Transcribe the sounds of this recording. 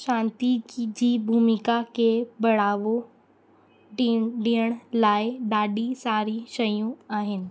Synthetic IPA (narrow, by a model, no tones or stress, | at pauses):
ʃãːnt̪id͡ʑiːbʱuːmɪkakebɐɽ̤aːʋo | ɖiːəɽ̃laːɪɗaːɗisaːɾiʃɐjũaːɦɪnɪ̆